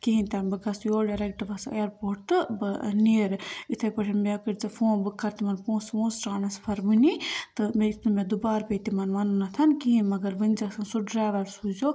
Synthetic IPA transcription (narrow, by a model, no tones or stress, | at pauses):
kiɦĩnt̪anbɨɡɐsjoːɖɐɾek̚ʈɨʋɐseːɾpoːɾʈ̪ɨbɨniɾit̪ʰɐpɐʈʰɐnmekɨʈt͡sɐfʰõːnbɨkʰːɐɾt̪imɐnpõːsmõːsɾaːnɐspʰɐɾbunit̪ɨmeit̪nɨmʲẽd̪ubaːɾpet̪imɐnmɐnunɐt̪ʰɐnkiɦĩmɐɡɐɾʋɨnʲd͡ʒɐsɐnsuɖɾaːʋɐɾsuzo